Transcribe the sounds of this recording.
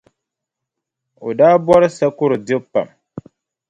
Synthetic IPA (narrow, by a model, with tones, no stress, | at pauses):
o˨daː˦bɔ˦ɾɨ˦sa˦kʊ˦ɾɨ˨dɪ˦pːa̰˨m